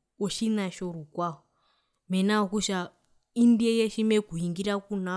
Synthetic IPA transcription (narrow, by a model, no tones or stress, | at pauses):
oʃinaʃoɾukwaɔ | mɛnaokuʃa | indiejeʃimekuiŋɡiɾakuna